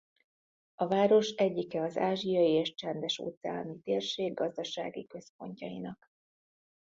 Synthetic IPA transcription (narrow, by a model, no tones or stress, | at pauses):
ɒvaːɾo̞ʃɛɟːikɛɒzaːʒijɒjieːʃt͡ʃɛnd̪ɛʃo̰ːt̪sɛaːlmit̪eːrʃeːɡːɒzd̪ɒʃa̰ːɡikø̞spo̞̰ɲcɒjḭnɒk